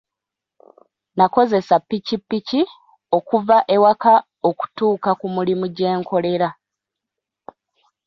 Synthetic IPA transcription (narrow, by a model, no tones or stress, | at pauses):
nako̞ze̞sapːicipːici | o̞kuvaʔe̞waka | o̞ku̥tuːkakumulimuɟe̞ːŋko̞le̞ɾa